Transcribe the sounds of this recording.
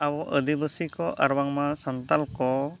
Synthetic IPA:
awɔʔə̰d̪ibəsikɔʔa̰ɾwaŋmasant̪alko

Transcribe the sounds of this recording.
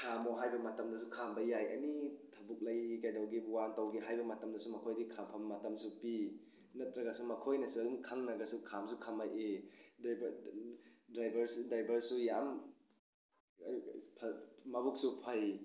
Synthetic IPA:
kʰamoɦajbɐmɐtɐmdɐsukʰambɐjajɐ̰nitʰɐbuk̚lɐjkajdɐwɡibwantɐwɡiɦajbɐmɐtɐmdɐsumɐkʰojdikʰampʰɐmːɐtɐmsupi | nɐt̚ɾɐɡɐsumɐkʰojnɐsuɐdumkʰaŋnaɡɐsukʰamsukʰamajʔedb | dɾajbʱɐɾsudajbʱɐɾsujam | pʰmɐbuk̚supʰɐj

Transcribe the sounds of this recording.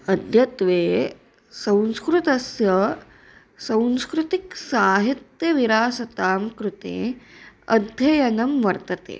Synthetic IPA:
ɐd̪ʱjɐt̪ʋeː | sɐ̃wnskɾut̪ɐsjɐ | sɐ̃wnskɾut̪iksaːɦit̪jɐʋiɾaːsɐt̪aːmkɾut̪ḛːɐ̰d̪ʱjɐjɐnɐmʋɐɾt̪ɐt̪ḛː

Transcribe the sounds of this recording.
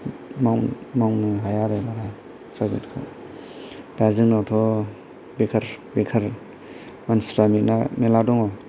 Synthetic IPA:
mawmawnɯɦajaɾebaɾa | sʰabitkʰɯ̰ | dazɯŋnawtʰɔ | bekʰɐɾbekʰaɾ | mansɾamitnameladɔŋɔ

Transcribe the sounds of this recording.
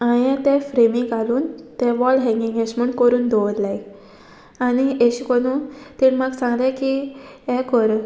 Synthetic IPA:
ajɛ̃t̪ɛ̃fɾemikaluːnt̪ɛ̃ʋɔlɦɛ̃ŋɡiŋɡẽɕməɳkəɾuːnd̪ʱɔʋt̪laj | anieɕikɔnuːnt̪inmaɡsãŋɡd̪ãkiɛ̃kəɾ

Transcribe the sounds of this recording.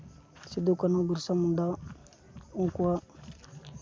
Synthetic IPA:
sidukanaɡuɾsamunda | uŋkua

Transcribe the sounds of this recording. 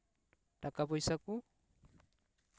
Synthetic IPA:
takabɔjsaku

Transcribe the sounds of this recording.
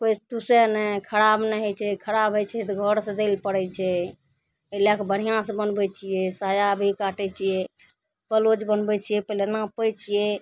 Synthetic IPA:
kojt̪usɛnɛkʰəɾabnɛɦɛt͡ʃʰɛkʰəɾabʱɦɛt͡ʃʰɛt̪ɔɡʱəɾsẽd̪elpəɽɛt͡ʃʰɛ | əlakebəɽ̤ijãsẽbənbɛt͡ʃʰijɛsajabʱikaʈɛt͡ʃʰijɛ | pəlod͡ʒbənbɛt͡ʃʰijɛpəlenapəjt͡ʃʰiɛ

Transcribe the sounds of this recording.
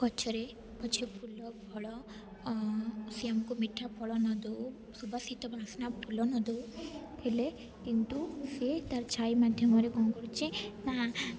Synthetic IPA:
kɔt͡ʃʰɔɾe | pɔt͡ʃʰipʰulɔbʱɔɭɔ | siamkumiʈʰːapʰɔɭɔnɔd̪ɔ | subʱasit̪ɔbʱasnapʰulɔnɔd̪ɔk̪ʰele | kint̪uset̪aɾt͡ʃʰajmad̪ʱjɔmɔɾekɔŋɡɔɽt͡ʃina

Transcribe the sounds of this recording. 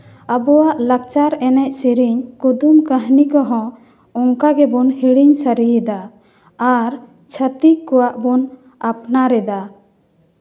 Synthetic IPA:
əbɔwaʔlak̚t͡ʃaɾɛnɛc̚siɾiɲkud̪umkəɦnikɔɦɔ̃ | ɔŋkaɡɛbɔnhiɽiɲsəɾijɛd̪aː | ɾ | t͡ʃʰət̪ikːɔwaʔbɔn | apnaɾɛd̪a

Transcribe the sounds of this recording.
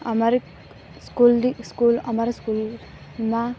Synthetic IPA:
ɐmaɾi | skuliskulɐmaɾaskul | ma

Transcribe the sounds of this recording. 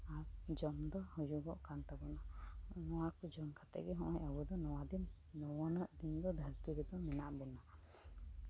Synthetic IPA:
aɾd͡ʒɔmd̪ɔhɔjuɡɔʔkant̪abɔnanɔwakud͡ʒɔmkʰat̪ɛ̰ʔɡɛɦɔ̃ʔɔɲabud̪ɔnɔwad̪inː | ɔwɔnəʔd̪ind̪ɔd̪ʱəɾt̪iɾɛd̪ɔmɛnaʔbɛna

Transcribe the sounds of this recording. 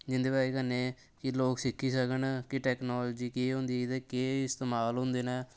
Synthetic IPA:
d͡ʒɪnd̪eːbaːeːkənːeː | kɪloːksɪkʰːiːsəkənːkɪʈɛːknoːlːd͡ʒiːkiɦʊ̃ːnd̪iːɪd̪eːkeːɪst̪eːmaːlɦʊ̃nd̪eːnɛː

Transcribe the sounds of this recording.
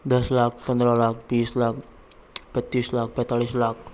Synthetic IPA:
d̪əslak̚ʰpənd̪ɾalak̚ʰbiːslak̚ʰ | pət̪ːislak̚ʰpɛt̪aɭislak̚ʰ

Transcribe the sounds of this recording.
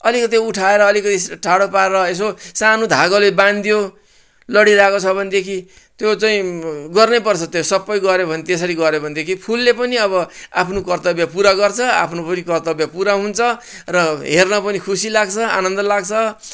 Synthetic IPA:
ʌlikʌt̪̬iuʈʰaeɾʌːlikʌt̪iʈʰaɽopaeɾʌes̬osanod̪ʱaɡoleband̪jo | lʌɽiɾakot͡sʰʌbʱʌnd̪ekʰi | t̪jot͡saĩɡʌrnepʌrt͡sʰʌt̪josʌpːʌjɡʌɾebʱʌnet̪es̬ʌɾiɡʌɾebʱʌnd̪ekʰipʰulːepʌniʌbʌapʰnokʌrt̪ʌbjapuɾaɡʌrt͡sʰʌa̰pʰnopʌnikʌrt̪ʌbjapuɾaɦunt͡sʰʌ | rʌɦernʌpʌnikʰusilaɡt͡sʰʌa̰nʌnd̪ʌlaɡt͡sʰʌ

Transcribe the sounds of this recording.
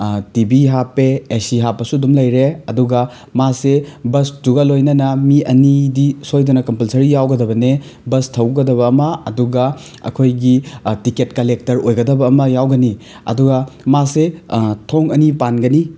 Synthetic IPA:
tibiɦapːeːsiɦapːɐsudumlɐjɾeɐduɡɐ | masebɐstuɡɐlojnɐnɐmiɐnidisojdunɐkɐmpɐlsɐɾijawɡɐdɐbɐne | bɐstʰɐwɡɐdɐβɐːmɐɐduɡɐ | ɐ̰kʰojɡitiketkɐlek̚tɐɾojɡɐdɐbɐːmɐjawɡɐni | ɐ̰duɡɐmasetʰoŋɐnipanɡɐni

